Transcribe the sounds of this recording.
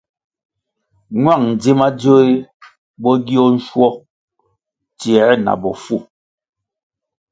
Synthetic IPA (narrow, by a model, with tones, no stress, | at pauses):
ɲwa˦˨ŋn̩˨d͡zi˦ma˦d͡zo˦i˦ | bɔ˦ɡi˦ɔ˦n̩˦ʃwɔ˦ | t͡sjɛ˨˦na̰˨bɔ˨fu˦˨